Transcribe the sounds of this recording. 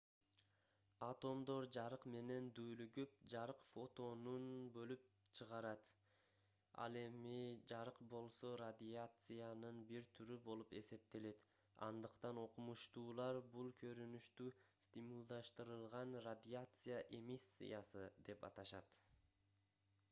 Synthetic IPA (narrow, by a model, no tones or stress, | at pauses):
at̪o̞md̪o̞ɾd͡ʒɑɾɯqme̞ne̞nd̪yːlyɡyp̚d͡ʒɑɾɯqfo̞t̪o̞nunbø̞lyp̚t͡ʃʰɯʁɑɾɑt̪ | ɑ̰lˠe̞mid͡ʒɑɾɯqbo̞lˠso̞rad̪ʲiat̪sɨjanɯnbiɾt̪ʰyɾybo̞lˠupe̞se̞p̚t̪e̞le̞t̪ | ɑ̰nd̪ɯqt̪ɑno̞qumuʃt̪uːlˠɑɾbulˠkʰø̞ɾynyʃt̪yːsʲt̪ʲimulˠd̪ɑʃt̪ɯɾɯlˠʁɑnrad̪ʲɪat̪sɨjaʔe̞misʲːḭjasɯd̪e̞pɑt̪ɑʃɑt̪